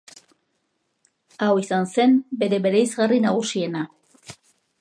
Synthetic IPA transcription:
awisanse̞mbe̞ɾe̞βe̞ɾejzɣarinaɣ̞usie̞na

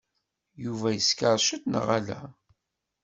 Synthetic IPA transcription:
juvæjəskəɾˤʃət̪nə̰ʁælæ̰

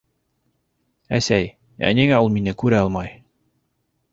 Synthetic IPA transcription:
æ̰sæj | æ̰niŋæulˠminɘkʉɾæɑlˠmɑj

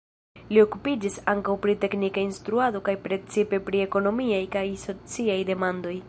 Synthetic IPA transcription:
lio̞kupid͡ʒisaŋkawpɾite̞knikainst̪ɾuado̞kajpɾe̞t͡sipe̞pɾie̞ko̞no̞miajkajso̞t͡siajde̞mando̞j

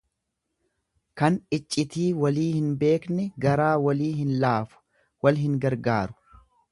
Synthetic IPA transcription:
kɐnɪt͡ʃʼːɪt̪iːwɐliːhɪnbe̞ːknɛɡɐɾaːwɐliːɦɪnlaːfʊ̥ | wɐlɦɪŋɡɐɾɡaːɾʊ̥

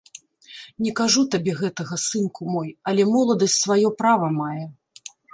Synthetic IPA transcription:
nʲɛkaʐut̪abʲɛɣɛt̪ɐɣɐsɨnkumɔjɐlʲɛmɔlˠɐd̪ɐsʲtʲsvajɔpɾavɐmajɛ

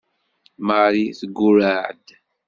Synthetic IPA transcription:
maɾiθəɡːuɾaʕd̪

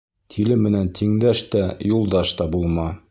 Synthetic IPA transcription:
t̪ʰilɘmːɘ̆nænt̪ʰiŋd̪æʃt̪æjulˠd̪ɑʃt̪ɑbulˠmɑ

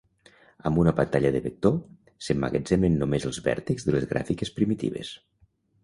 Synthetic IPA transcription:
əmbunəβant̪aʎəðəβek̚t̪o | semːa̰ɣḛd͡zɛmenːomezəlˠzβɛ̰ɾt̪iɡzðəlezɣɾʔa̰fikespɾimit̪ḭβḛs

